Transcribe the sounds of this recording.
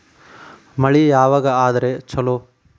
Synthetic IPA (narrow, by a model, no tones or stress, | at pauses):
mɐɭijaːʋaːɡɐaːd̪ɐɾet͡ʃʰɐloː